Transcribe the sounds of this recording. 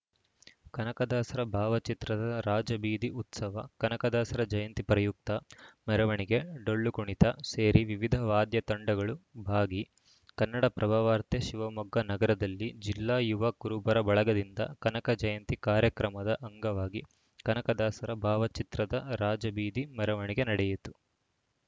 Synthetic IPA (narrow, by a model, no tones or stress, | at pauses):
kɐnɐkɐd̪aːsɐɾɐbʱaːʋɐt͡ʃit̪ɾɐd̪ɐɾaːd͡ʒɐbiːd̪iut̪sɐʋɐkɐnɐkɐd̪aːsɐɾɐd͡ʒɐjɐnt̪ipɾɐjuk̚t̪ɐmɛɾɐʋɐɳiɡe̞ɖoɭːukuɳit̪ɐseːɾiʋiʋid̪ʱɐʋaːd̪jɐt̪ɐɳɖɐɡɐɭubʱaːɡi | kɐnːɐɽɐpɾɐbʱaːʋaːɾt̪jɐʃiʋɐmɔɡːɐnɐɡɐɾɐd̪ɐlːid͡ʒilːaːjuʋɐkːuɾubɐɾɐbɐɭɐɡɐd̪ind̪ɐ̰kɐnɐkɐd͡ʒɐjɐnt̪ikaːɾjɐkɾɐmɐd̪ɐʔɐŋɡɐʋaːɡi | kɐnɐkɐd̪aːsɐɾɐbʱaːʋɐt͡ʃit̪ɾɐd̪ɐɾaːd͡ʒɐbiːd̪imɛɾɐʋɐɳiɡenɐɽɛjit̪u̥